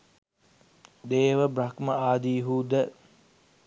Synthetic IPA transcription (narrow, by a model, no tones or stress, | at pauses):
d̪eːʋəbɾakməaːd̪iːɦuːd̪ə